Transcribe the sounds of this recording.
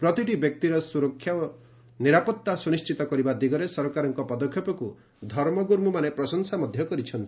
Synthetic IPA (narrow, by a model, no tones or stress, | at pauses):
pɾɔt̪iʈibjɔk̚t̪iɾɔsuɾɔkʰːjao | niɾapɔt̪ːasunist͡ʃit̪ɔkɔɾibad̪iɡɔɾesɔɾɔkaɾɔŋkɔpɔd̪ɔkʰjɔpɔku | d̪ʱɔɾmɔɡuɾmumanepɾɔsɔŋsamɔd̪ʱjɔkɔɾit͡ʃʰɔnt̪i